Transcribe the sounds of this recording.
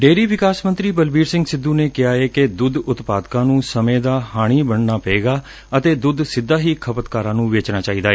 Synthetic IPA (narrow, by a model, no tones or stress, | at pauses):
ɖeːɾiːʋɪkaːsmənt̪ɾiːbəlbiːɾsɪ̃ŋɡsɪd̪ːũːneːkɪaːeːked̪ʊd̪ʊt̪paːd̪kãːnũːsəmẽːd̪aːhaːɽ̃iːbəɳnaːpəeːɡaː | ət̪eːd̪ʊd̪sɪd̪ːaːɦiːkʰəpət̪kaːɾãːnũːʋeːt͡ʃnaːt͡ʃaːiːd̪aːɛː